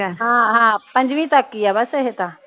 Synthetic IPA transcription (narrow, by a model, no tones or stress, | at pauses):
aɦãɦãpə̃ɲd͡ʑʋiːt̪akːijabəsəɦet̪a